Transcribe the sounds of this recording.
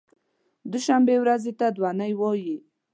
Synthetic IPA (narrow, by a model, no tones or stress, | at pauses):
d̪ʊʃambewɾazet̪ad̪wanəjwɔji